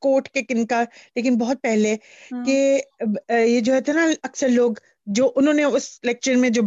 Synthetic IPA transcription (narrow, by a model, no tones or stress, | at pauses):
koːʈkekɪnkaleːkɪnbɔɦʊt̪̚pɛɦleke | jed͡ʒoːɦɛet̪naɐksəɾloːɡ | d͡ʒoːʔʊnɦõːneʊsɪlɛk̚ʃəɾmẽd͡ʒoː